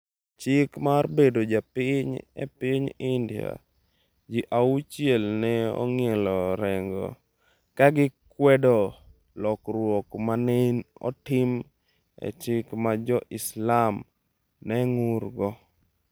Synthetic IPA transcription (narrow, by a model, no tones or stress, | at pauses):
t͡ʃɪkmarbedod͡ʒapɪɲɛ̰pɪɲɪndija̰ | d͡ʒiʔaut͡ʃjelnɛɔ̰ŋjelɔɾɛŋɡɔ̰ | kaɡɪkwɛdɔ | lɔkɾwɔkmanɪnɔ̰tɪm | ɛ̰t͡ʃɪkmad͡ʒɔʔɪslam | nɛŋʊrɡɔ